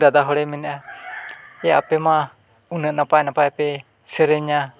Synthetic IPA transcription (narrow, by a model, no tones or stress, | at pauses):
d̪ad̪aɦɔɽɛmɛnɛʔa | ɛjaapɛma | unəʔnapajnapajpɛ | səɾeɲa